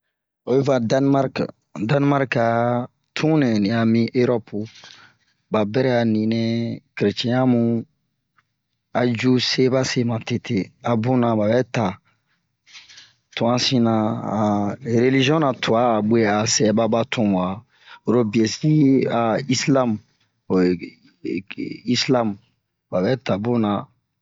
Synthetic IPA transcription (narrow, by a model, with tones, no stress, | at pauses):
o˨je˦va˨da˦nma˦ɾk | dã˦n˦ma˦ɾka˨ | tʰũ˦nẽ˨nĩ˨a˨mĩ˦ʔø˦ɾɔ˦pu˨ | ba˨bɛ˦ɾɛ˦a˨nĩ˨nɛ̃˦ke˨ɾe˨t͡ʃɛ̃˨jã˦mũ˨ | a˨d͡ʒu˦se˦ba˦se˦mã˨te˨tʰe˨a˨bũ˦nã˨ba˨bɛ˦ta˨ | tu˨ã˦sĩ˦nã˨ã˨ɾe˨li˦ʒi˦ɔ̃˦na˨tʰu˨aː˦˨be˦a˨sɛ˨ba˦ba˦tʰũ˨m˨a˨ | o˨ɾo˦bi˨ɛ˨si˦a˨i˦sla˦m˨ | i˦slã˦m | ba˨bɛ˦ta˨bõ˦nã˨